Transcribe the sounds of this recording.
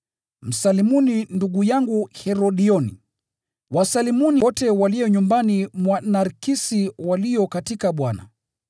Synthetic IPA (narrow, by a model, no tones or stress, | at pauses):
m̩salimuninduɠujaŋɡuhɛɾɔɗiɔnḭ | wasalimuniɔtɛwalijɔɲumbanimwanaɾkisiwaliɔkatikaɓwana̰